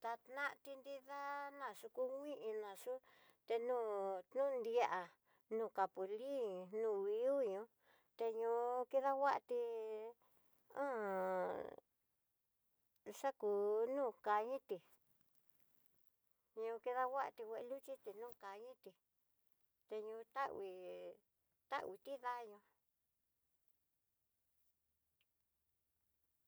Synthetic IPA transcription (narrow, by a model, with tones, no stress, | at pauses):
t̪a˧t̪nã˦ʔt̪i˧nd̪i˦ða˦nã˧˨ʂu˧ku˦ŋʷĩ˦ʔĩ˧nã˨ʂu˦ | t̪e˧nũː˦t̪nũ˦˧nd̪i˧a˧ʔa˨ | nũː˧˨ka˨pu˨li˦nũː˦˧˨βi˧˦u˦ɲũ˧˦ | t̪e˧ɲũ˧ki˦ða˦wa˦ʔa˧t̪i˧ | ã̰˦ | ʂa˦ku˨nũ˦˨ka˧ɲĩ˦t̪i˨ | ɲũ˧ki˧ða˧wa˦ʔa̰˧t̪i˧wʷe˧e˧lu˦t͡ʃi˦t̪i˧nũː˦˧ka˨ɲĩ˦t̪i˧ | t̪e˧ɲũ˧t̪a˦wi˧ | t̪a̰˦ʔi˧t̪i˦ða˦ɲũ˧